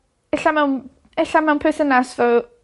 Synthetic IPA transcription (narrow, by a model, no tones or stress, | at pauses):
ɛɬamɛwn | ɛɬamɛwnpʰɛθənasvɛw